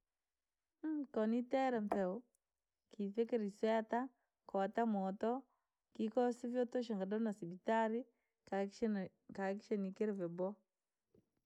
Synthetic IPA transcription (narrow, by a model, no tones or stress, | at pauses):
kɔnitɛɾamθɛw | kiθekeɾiswɛta | kɔtamɔt̪ɔ | kikɔsivjɔtɔʃ̬aŋɡadɔnasibitaɾi | kakʃenikeɾvɛbɔ